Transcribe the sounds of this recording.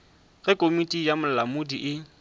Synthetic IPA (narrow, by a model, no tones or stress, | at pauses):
ɣɪkʼomitʼijamʊlamʊdiʔɪ